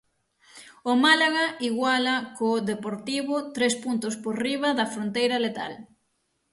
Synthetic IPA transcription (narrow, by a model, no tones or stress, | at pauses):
ʊmalaɣaʔiɣwalɐkoðepoɾt̪iβʊt̪ɾespunt̪ʊspoɾriβɐðɐfɾont̪ejɾɐlet̪a̰l